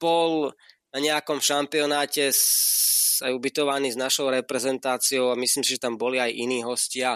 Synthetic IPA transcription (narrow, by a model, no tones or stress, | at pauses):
b̥ɔlnaɲɛakɔmʃampiɔnaːcɛ | ajubit̪ɔʋaniːznaʃɔʊɾɛpɾɛzɛnt̪aːt͡siɔʊamisliːmsiʒɛt̪ambɔliajʔiniːɦɔscɪa